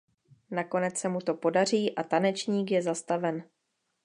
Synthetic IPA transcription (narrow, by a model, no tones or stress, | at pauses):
nako̞nɛt͡ssɛmut̪o̞po̞dar̝iːʔat̪anɛt͡ʃɲiːkjɛzast̪avɛn